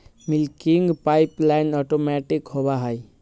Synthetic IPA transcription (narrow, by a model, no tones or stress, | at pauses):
milkiŋɡpajplajnɔʈomɛʈikhobaɦəj